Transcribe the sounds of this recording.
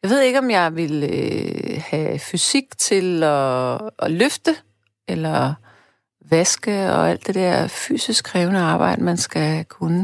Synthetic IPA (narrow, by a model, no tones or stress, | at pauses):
jɑɪe̝ð̞̰ˠe̝ɡ̥əɒ̽mjɑ̈ɪʋe̝l | hæfysiɡ̥̚t͡sʰe̝lɒː | løfd̥ə | elɐ | ʋæsɡ̥əɒæl̰d̥e̝d̥eɐ̰fy̰ːsisɡ̥ʰʁɛːʊnəɑ̈ːb̥ɑ̈ɪ̰d̥əmænsɡ̥ækʰunə